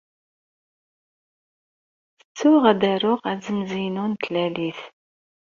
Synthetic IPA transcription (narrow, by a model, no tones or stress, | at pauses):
θə̥t͡sːʊʁæd̪æɾʊʁæzəmzinunt̪læliθ